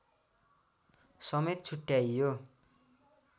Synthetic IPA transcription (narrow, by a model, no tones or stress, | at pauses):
sʌmet̪̚t͡sʰuʈːjajjo